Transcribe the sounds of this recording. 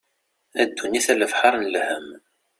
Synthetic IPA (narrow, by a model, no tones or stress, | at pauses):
æd̪ːuniθæləfħaɾˤnlhəm